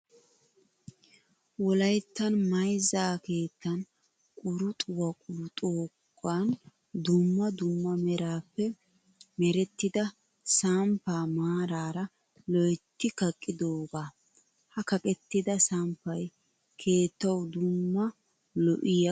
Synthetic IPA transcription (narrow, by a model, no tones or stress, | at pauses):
wɔlɐjt̪ːɐnmɐjzaːke̞ːt̪ːɐn | kʼʊɾʊt̪ʼʊwɐkʼuɾt̪ʼoːkʼːan | d̪ʊmːɐd̪ʊmːɐmɛɾaːpːɛ | mɛɾɛt̪ːɪd̪ɐ | sampːaːmaːɾaːɾɐ | lɔjt̪ːɪkɐkʼːɪd̪oːɡaː | hɐkɐkʼɛt̪ːɪd̪ɐsaːmpːɐj | kʰe̞ːt̪ːɐwd̪ʊmːɐ | lɔʔɪjɐ